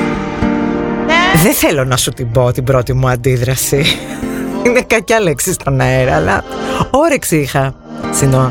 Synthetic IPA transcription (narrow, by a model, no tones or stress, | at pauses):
ðeθe̞lo̞nɐsut̪ibo̞t̪ibɾo̞t̪imuɐnd̪iðɾɐsi | inekɐcɐleksist̪o̞nɐeɾɐːlɐoɾeksixɐ | sino